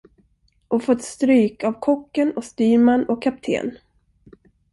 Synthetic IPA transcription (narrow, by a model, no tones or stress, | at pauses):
ʔɔfɔt̪st̪ɾyːkavkʰɔkːənɔst̪yːmanɔkʰːap̚t̪ʰḛːn